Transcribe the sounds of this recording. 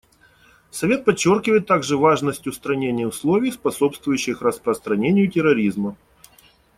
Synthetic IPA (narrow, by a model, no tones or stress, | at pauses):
sɐvʲe̞t̪̚pɐt͡ɕːo̞rkʲɪvəjɪt̪ːaɡʐɨvaʐnəsʲtʲjʊst̪ɾɐnʲenʲɪjəʊslˠo̞vʲɪjspɐso̞pst̪vʊjʉɕːɪxrəspɾəst̪ɾɐnʲenʲɪjʊtʲɪɾɐɾʲizmə